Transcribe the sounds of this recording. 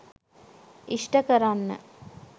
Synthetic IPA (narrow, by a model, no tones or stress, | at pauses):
iʂʈɐkɐɾanːɨ̰